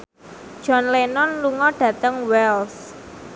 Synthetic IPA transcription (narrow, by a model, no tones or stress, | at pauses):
d̥ʒ̥ɔnlenɔnluŋɔɖ̥ä̤t̪əŋwɛls